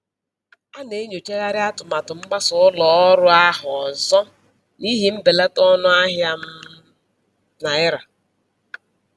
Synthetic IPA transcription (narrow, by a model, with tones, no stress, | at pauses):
a˦ne˨˦ɲo˨t͡ʃe˦ɣa˦ɾɪ˦a˦tʊ˨ma˨tʊ˨ŋ͡m̩˦ɡ͡ba˦sʊ˨ʊ˦lɔ˨ɔ˦ɾʊ˦a˦ɦʊ˨n̩˨sɔ˦ | ni˦ɦi˦m̩˦be˨la˦tɔ˦nʊ˦a˦ɦja˦m̩˦ | na˨ɪ˦ɾa˨